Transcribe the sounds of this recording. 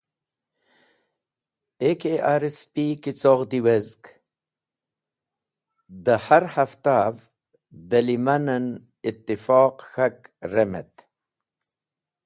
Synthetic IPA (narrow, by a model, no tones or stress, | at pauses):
ekeʔaːɾespikit͡soʁd̪iwezk | d̪əhaɾhɐft̪av | d̪ɐlimanɐn | it̪ːifɑːqxɐkɾemḛt̪